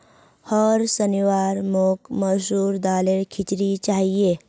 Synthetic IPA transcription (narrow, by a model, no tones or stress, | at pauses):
hɔɾsəniʋaːɾmoːkməsuːɾd̪aːleɾkʰit͡ʃɾit͡ʃaːɦie